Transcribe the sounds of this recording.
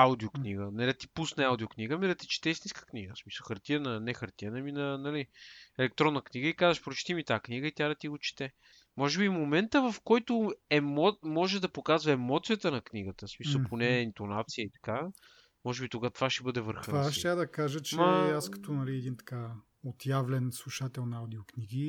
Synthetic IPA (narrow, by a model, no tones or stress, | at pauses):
aud̪iokniɡənɛd̪ɐt̪i̥pusnɛaud̪iokniɡəmid̪ɐt̪i̥t͡ʃi̥t̪ɛsniskə̥kniɡəsmi̥səlˠxɐɾt̪iənənɛxɐɾt̪iənɐminɐnɐliɛlɛk̚t̪ɾɔnːəkniɡəikazəʃpɾot͡ʃi̥t̪imit̪aakniɡəit̪ʲjad̪ɐt̪iɡot͡ʃi̥t̪ɛ | mɔʒɛbimomɛnt̪əvɐfkɔjt̪ʊɛmɔmɔʒɛd̪ɐpokazvɐɛmɔt̪sijət̪ənɐkniɡət̪əsmisəlˠpʰonɛint̪onat̪sijəit̪ɐ̥ka | mɔʒɛbit̪oɡat̪ovaʃɛbɤd̪ɛvəɾxəvaʃʃt̪ʲad̪ɐkaʒət͡ʃɛmaaskɐ̥t̪ɔnɐliɛd̪int̪ɐ̥ka | ot̪javlɛnslˠuʃat̪ɛlˠnawd̪iokniɡi